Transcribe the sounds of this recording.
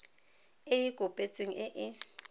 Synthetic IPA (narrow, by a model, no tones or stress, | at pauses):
ɪjikʼopʼet͡sʼweŋ̩ɪʔɪ